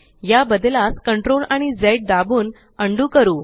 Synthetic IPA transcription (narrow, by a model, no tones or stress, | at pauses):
jabəd̪laskəɳʈɾolaɽ̃id͡zeʈ̚d̪abuːn | əɳɖuːkəɾuː